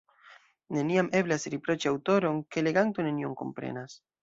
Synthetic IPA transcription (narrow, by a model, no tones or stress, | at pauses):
ne̞niamʔe̞blasɾipɾo̞t͡ʃiawt̪o̞ɾo̞nke̞leɡant̪one̞nioŋko̞̰mpɾḛnas